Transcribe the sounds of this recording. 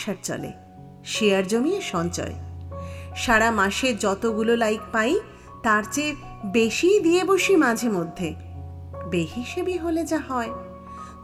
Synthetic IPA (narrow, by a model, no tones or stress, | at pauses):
ʃaɾt͡ɕɔ̰lḛ | ʃiaɾd͡ʑomieʃɔnt͡ɕɔ̰e | ʃaɾamaʃed͡ʑɔt̪oɡulolajk̚paj | t̪aɾt͡ɕe | beʃid̪ieboʃimad͡ʑʱemod̪ʱːe | beɦiʃebiɦoled͡ʑaɦɔe